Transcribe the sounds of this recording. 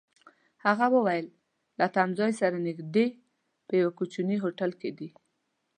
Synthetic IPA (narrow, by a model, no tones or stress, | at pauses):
haɣawəwajəl | lat̪amzɑjsaɾanɪɡd̪e | pəjawakut͡ʃuniɦoʈalked̪i